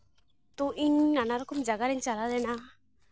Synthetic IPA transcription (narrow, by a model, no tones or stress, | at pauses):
t̪ɔʔiɲːanaɾɔkɔmd͡ʒaɡaɾɛɲt͡ʃalad̪ɛna